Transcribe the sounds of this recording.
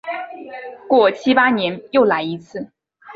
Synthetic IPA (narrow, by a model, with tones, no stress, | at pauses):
kwɔ˥˩t͡ɕʰi˥pa˥njɛ˧˥njo˥˩ʊla˧˥ɪi˧˥t͡sʰɹ̩˥˩